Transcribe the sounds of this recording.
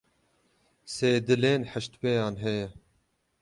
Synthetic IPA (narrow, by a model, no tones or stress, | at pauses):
seːd̪ɨleːnħəʃt̪wejɑːnɦɛjɛ